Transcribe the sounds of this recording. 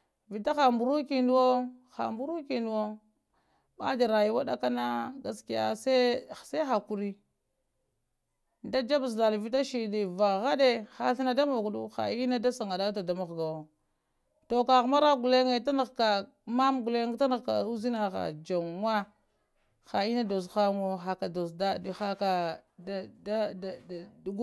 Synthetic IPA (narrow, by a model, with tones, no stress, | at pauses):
vi˨ta˦xa˨mbu˨ɾu˦ki˨nu˦wo˦xa̰˨mbu˦ɾu˦ki˨ndu˨wo˦ | ɓa̰˦d͡ʒa˨ɾa˨ji˦wa˦ɗa̰˦ka˦na˦ɡa˨ski˦ja̰˦se˦˨sa˦xa˨ku˨ɾi˦ | da˦d͡ʒa˦bzda˨lvi˦t̬a˦ʃi˨li˨va˨ɣa˦de˦xa˨ɬi˦na˦da˦mo˨ku˨dṵ˦xa̰˨i˦na˦da˦sa˨ŋa˨da˦ta˨da˨ma˨ɣɡa˨wo˨ | to˨ka˨ɣma˦ɾa˦ɡu˨le˦ŋe˦ta˦na˨ɣka˨ | ma˦mɡu˨le˦ŋ˦ta˦na˨ɣka̰˨u˦zi˦na˨ɣa̰˨d͡ʒa˨ŋːʷa˦ | xa˨i˦na˦do˨s̬xa˦ŋo˦xa˨ka˨do˨sda˦˨xa˦ka˨dda˦˨ | ɡ